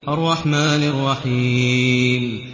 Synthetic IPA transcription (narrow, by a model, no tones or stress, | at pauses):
ʔɑrˤːɑħmaːnɑrˤːɑħiːm